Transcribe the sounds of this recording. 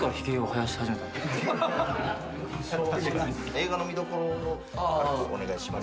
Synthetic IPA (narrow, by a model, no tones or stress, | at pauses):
kaɾaçi̥keohajaɕi̥haʑime̞t̪and̪e | e̞ːɡano̞mʲid̪o̞koɾono | ɾoo̰ne̞ɡaiɕima